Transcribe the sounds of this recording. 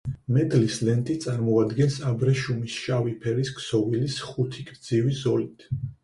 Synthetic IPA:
mɛd̪lislɛnt̪ʼit̪sʼaɾmɔad̪ɡɛnsabɾɛʃumisʃavipʰɛɾiskʰsɔvilisχut̪ʰikʼɾd̪zivizɔlit̪ʰ

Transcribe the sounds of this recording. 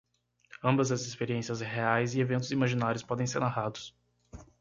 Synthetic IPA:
ɐ̃mbɐzɐzespeɾiẽsiɐzheajzɪevẽnt̪̬ʊzimaʒinaɾjʊspɔd̪ẽj̃seɾnaɦad̪ʊs

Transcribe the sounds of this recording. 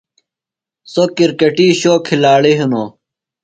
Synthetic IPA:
sokiɾkɐʈiːɕoːkʰːilaːɭiɦunoː

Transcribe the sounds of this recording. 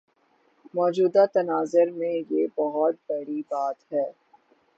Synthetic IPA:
mɔːd͡ʒuːd̪at̪ɐnaːzəɾmẽjebɔɦʊt̪̚bɐɦɽibaːt̪ɦɛː

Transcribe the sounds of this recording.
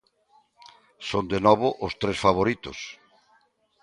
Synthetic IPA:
sond̪enɔβʊʔʊst̪ɾesfaβoɾit̪ʊ̰s

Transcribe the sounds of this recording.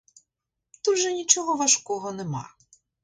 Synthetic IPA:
t̪ud̪ʒɛnʲit͡ʃɔɦɔʋɐʃkɔɦɔnɛmɑ̰

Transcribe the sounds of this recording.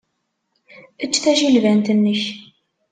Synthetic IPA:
ət͡ʃːθæʃilvænt̪ənːəç

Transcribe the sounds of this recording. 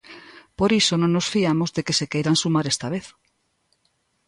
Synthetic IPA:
poɾisonõŋnosfiamozðekesekejɾansumaɾest̪aβeθ

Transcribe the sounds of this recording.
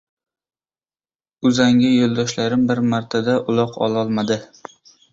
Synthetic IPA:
ʊzaŋɡʲɪjolˠd̪ɒʃlaɾɪmbɪɾmaɾt̪ʰad̪aʔʊlˠɒqʰɒ̰lˠɒlˠmad̪ɪ

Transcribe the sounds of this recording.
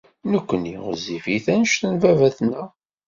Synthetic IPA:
nəkʷːəniʁəzifiθænəʃθənvævæθnæ

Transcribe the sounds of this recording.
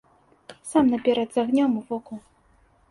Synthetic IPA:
samnɐpʲɛɾɐd̪zaɣnʲɔmuvɔku

